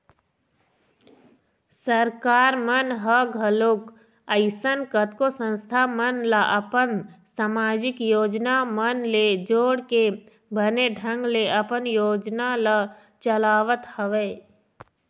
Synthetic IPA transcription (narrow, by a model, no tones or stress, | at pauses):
səɾkaːɾmənɦəɡʱəlok | əɪsənkət̪kosə̃nst̪ʰamənləʔɐpənsaːmaːd͡ʒɪkjoːd͡ʒnamənled͡ʒoːɽke | bʱəneɖʱə̃ŋɡleʔəpənjoːd͡ʒnalə | t͡ʃəlaːʋət̪həʋe